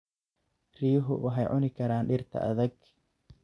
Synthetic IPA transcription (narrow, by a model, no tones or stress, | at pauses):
riːɦʊwʔɑħɛjʕʊnɪkʰɐɾaːnɖɪrt̪ʰɐ̰ʔɐ̰ðɐɡ